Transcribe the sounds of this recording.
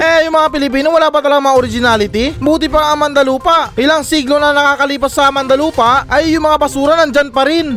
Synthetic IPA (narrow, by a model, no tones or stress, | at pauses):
ʔɛjʊŋmɐŋapɪlɪp̬iːnowɐlaːpɐt̪ɐlɐɡamɐŋaʔoɾɪd͡ʒɪnaːlɪt̪ibuːt̪ɪpɐɐŋmɐnd̪ɐluːpɐʔɪlaŋsiːɡlonɐnɐkaːkɐliːpɐsːɐmɐnd̪ɐluːpɐʔɐjːʊŋmɐŋapɐsuːɾɐnɐŋd͡ʒanpɐɾɪn